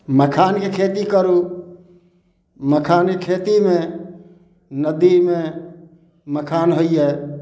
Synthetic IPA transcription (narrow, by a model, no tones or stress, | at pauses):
məkʰankekʰet̪ikəɾu | məkʰankekʰet̪ime | nəd̪ime | məkʰanɦoije